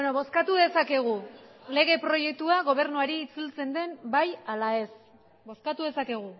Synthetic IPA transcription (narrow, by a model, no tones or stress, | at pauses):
benoβo̞skat̪uðe̞sake̞ɣ̞ule̞ɣe̞pɾo̞je̞k̚t̪uaɣ̞o̞β̞e̞ɾnuaɾiːt͡sult͡se̞nd̪e̞mbajalae̞s | bo̞skat̪uðe̞sake̞ɣ̞u